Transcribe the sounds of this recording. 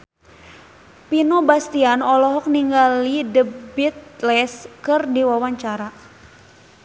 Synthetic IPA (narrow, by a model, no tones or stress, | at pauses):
pinubast̪ianɔlɔɦɔk̚niŋɡalidəbit̪̚lɛskərdiwawaɲt͡ʃaɾa